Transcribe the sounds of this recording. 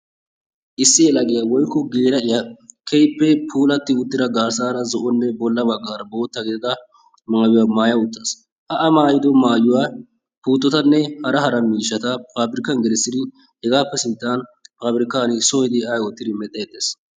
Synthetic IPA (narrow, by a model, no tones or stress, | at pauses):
ʔɪsːɪjɛlɐɡɛjɐwɔjkːɔɡeːɾɐʔɪjɐkʰɛjpːɛpʰuːlɐt̪ːɪʊt̪ːɪd̪ɐɡaːɾsaːɾɐzɔʔɔnːɛbɔlːɐbɐɡːaːɾɐbo̞ːt̪ːɐɡɪd̪ɪd̪ɐ | maːjʊwamaːjɐʊt̪ːɐs | ʔɐʔɐmaːjɪd̪ɔmaːjʊwaː | puːt̪ːɔt̪ɐnːɛhɐɾɐhɐɾɐmiːʃːɐt̪ɐfaːbɪɾɪkːɐnɡɛlɪsːɪd̪ɪ | hɛɡaːpːɛsɪnt̪ːaːnfaːbɪɾɪkːaːnɪsojɪd̪ɪɐjwɔt̪ːɪd̪ɪmɛt̪ʼːɛjɛt̪ːeːs